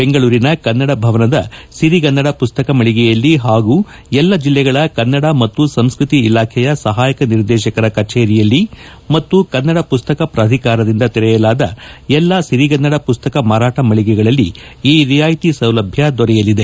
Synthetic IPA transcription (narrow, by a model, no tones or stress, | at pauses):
be̞ŋɡɐɭuːɾinɐkɐnːɐɽɐbʱɐʋɐnɐd̪ɐsiɾiɡɐnːɐɽɐpust̪ɐkɐmɐɭiɡɛjɐlːiɦaːɡuː | ɛlːɐd͡ʒilːɛɡɐɭɐkɐnːɐɽɐmɐt̪ːusɐmskɾut̪iːlaːkʰɛjɐsɐɦaːjɐkɐniɾd̪ɛːʃɐkɐɾɐkɐt͡ʃeːɾijɐlːi | mɐt̪ːukɐnːɐɽɐpust̪ɐkɐpɾaːd̪ʱikaːɾɐd̪ind̪ɐt̪ɛɾɛjɐlaːd̪ɐɛlːɐsiɾiɡɐnːɐɽɐpust̪ɐkɐmaːɾaːʈɐmɐɭiɡɛɡɐɭɐlːiiːɾijaːjt̪isɐwlɐbʱjɐd̪ɔɾɛjɐlid̪e̞